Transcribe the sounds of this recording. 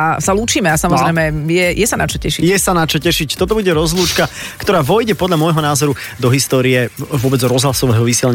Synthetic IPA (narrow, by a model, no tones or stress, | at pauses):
asaluːt͡ʃiːmɛasamɔzɾɛjmɛjɛjɛsanat͡ʃɔcɛʃicjɛsanat͡ʃɔcɛʃict̪ɔt̪ɔbuɟɛɾɔzluːt͡ʃkakt̪ɔɾaːʋɔjɟɛpɔd̪ʎamɔjɦɔnaːzɔɾu | d̪ɔɦist̪ɔːɾiɛvʊɔbɛd͡zɾɔzɦlasɔʋɛːɦɔʋisɪɛlɛɲ